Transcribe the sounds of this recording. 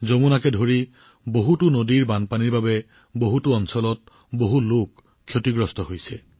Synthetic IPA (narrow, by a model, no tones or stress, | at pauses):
zomunakɛdʱoɹi | boɦutʊnodiɹbanpaniɹbabɛ | boɦutʊɔnsɔlɔt̚ | boɦulokʰː | jotiɡɹɔstɔɦojsɛ